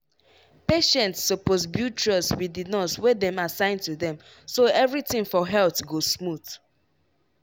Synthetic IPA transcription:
peʃɛ̃ntsːoposbjut͡ʃɹɔswidinɔswɛdɛ̃masãɪ̃ntuðɛ̃m | soɛvɹitĩŋfɔɦɛlθɡosmuθ

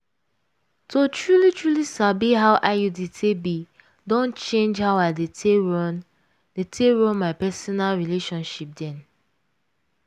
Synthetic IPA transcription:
tʰotʰɹulitʰɹulisabiɦaʊʔaɪjuditʰebi | dõnt͡ʃẽnd͡ʒhawaɪdetn | detʰeɹɔ̃nmaɪpɛsɔnalɹileʃɔ̃nʃip̚dɛ̃n

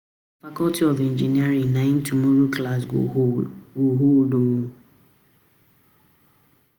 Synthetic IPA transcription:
fakɔltiɔvend͡ʒiniaɾiŋnain̩tumoɾuklasɡ | ɡoɦodoŋũ

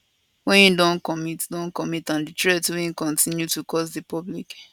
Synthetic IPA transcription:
wɛ̃njidɔ̃nkɔmitdɔ̃nkɔmitãnditɹɛtwĩkɔ̃ntʰĩnjutukʰɔsdipɔblik

